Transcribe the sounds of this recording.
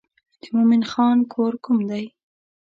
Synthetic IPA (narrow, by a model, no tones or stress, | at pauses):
d̪̥əmʊmɪnxɑnkʰoɾkumd̪aj